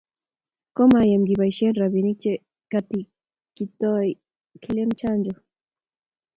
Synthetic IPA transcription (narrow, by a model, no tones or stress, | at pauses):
komajamɡibajʃenɾaβinit͡ʃe | kat̪i | kit̪oj | kʰilemt͡ʃand͡ʒo